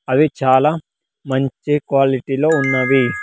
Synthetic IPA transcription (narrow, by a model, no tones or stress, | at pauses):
ɐʋit͡ʃaːlaː | mɐɲt͡ʃikʋaːliʈiloːunːɐʋi